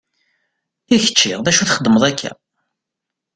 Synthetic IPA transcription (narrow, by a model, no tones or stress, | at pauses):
içə̥t͡ʃːiʁðæʃuθχəd̪ːəməðˤækʰːæ̰